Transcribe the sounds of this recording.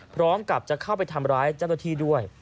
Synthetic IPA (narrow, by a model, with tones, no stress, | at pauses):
pʰɾɔː˦˥mka˨˩p̚t͡ɕa˨˩kʰa˥˩wpa˧jt̪ʰa˧mɾaː˦˥jt͡ɕa˥˩w̪na˧˥t̪ʰiː˥˩du˥˩əj